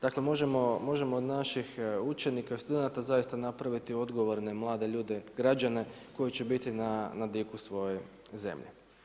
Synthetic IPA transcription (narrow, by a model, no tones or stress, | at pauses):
d̪̥akle̞mo̞ʒe̞mo̞mo̞ʒe̞mo̞ːd̪naʃixut͡ʃe̞nikaist̪ud̪enat̪azajist̪anapɾaʋit̪io̞d̪ɡo̞ʋo̞ɾne̞mlˠaːd̪e̞ʎuːd̪e̞ɡɾad͡ʒane̞ko̞jit͡ɕe̞bit̪inanad̪ikusʋo̞je̞ | ze̞̰mʎḛ